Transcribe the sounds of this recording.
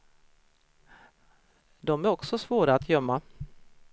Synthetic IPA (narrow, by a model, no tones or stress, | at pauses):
d̪ɔmæɾɔksɔsvoːɾaːt̪jœmːa